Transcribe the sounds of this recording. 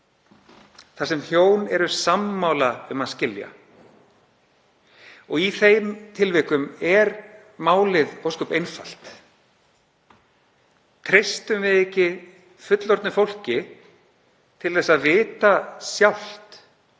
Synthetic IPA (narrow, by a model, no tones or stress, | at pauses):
θasɛmçjoːwnɛɾʏsamːaːwlaʏmaðscɪlja̰ | ɔɣiθejmt̪ʰɪlvɪːkʏmɛɾ | maːwlɪðowskɔpejnfal̥t̪ | t̪ʰɾejst̪ʏmvɪðɛhcːɪ | fʏt̪lɔɾt̪nʏfowl̥cɪ | t̪ʰɪlθɛsːaðvɪːt̪asjawl̥t̪